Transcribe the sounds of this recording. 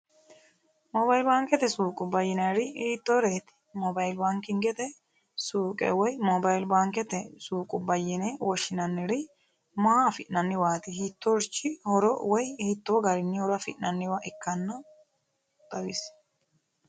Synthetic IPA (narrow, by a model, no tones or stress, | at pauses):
mɔbɐjɪlbaːŋkʼɛt̪ɛsuːkʼʊbɐjːɪnɐɾɪːt̪ːɔɾeːt̪ɪ̥ | mɔbɐjlbaŋkɪŋɡɛt̪ɛ | suːkʼɛ̰wɔjmɔbɐjlbaŋkɛt̪ɛsuːkʼʊbɐjːɪnewɔʃɪnɐnːɪɾɪ | maafɪʔnɐnːɪwaːt̪ɪhit̪ːɔɾt͡ʃːɪhɔɾɔwɔjhit̪ːoːɡɐɾɪnːɪhɔɾɐfɪʔnɐnːɪwaʔɪkːɐnːɐ | t̪ɐwɪs